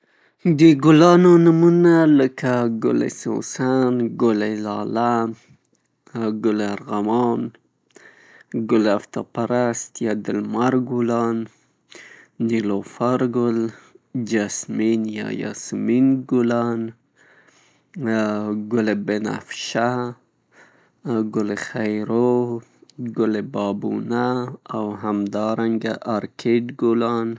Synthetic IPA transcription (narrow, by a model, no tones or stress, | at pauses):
d̪əɡulɑnonəmunaləkaɡʊ̰lḛso̰sanɡolelɑlan | ɡʊleaɾɣamɑn | ɡʊleaft̪apaɾast̪jad̪əlmaɾɡulɑn | ilofaɾɡold͡ʒasminjɑ̰jɑ̰sminɡʊlɑn | ɡʊlebena̰fʃa | ɡʊlexajɾo | ɡʊlebɑbṵnaːwɦamd̪ɑɾaŋɡaʔaɾkʰeɖɡʊlɑn